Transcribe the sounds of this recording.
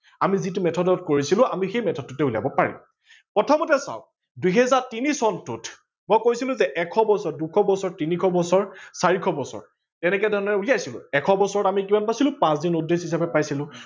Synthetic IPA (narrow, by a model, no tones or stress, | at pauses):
amizitumɛtʰɔdɔt̚koɹisilʊ̃amixejmɛtʰɔd̚ːutɛula̰bɔpaɹḭm | pɹɔtʰɔmɔtɛsa̰w | duɦɛzaɹtinisɔntut | mɔojkojsilʊ̃zɛʔɛkʰɔbɔsɔɹdukʰɔbɔsɔɹtinikʰɔbɔsɔɹsaɹikʰɔbɔsɔ̰ɹ | tɛnɛkɛjdʱɔɹɔnɛɛuliajsilʊ̰̃ɛkʰɔbɔsɔɹɔtamikimanpasilʊ̃pãsdinudesis̬abɛpajsilʊ̃